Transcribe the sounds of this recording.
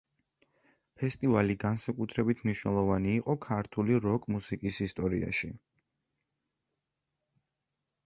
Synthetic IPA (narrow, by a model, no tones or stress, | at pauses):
pʰɛst̪ʼivaliɡansakʼut̪ʰɾɛbit̪ʰmniʃwnɛlˠɔvaniːqʼɔkʰaɾt̪ʰuliɾɔkʼmusikʼisist̪ʼɔɾḭa̰ʃi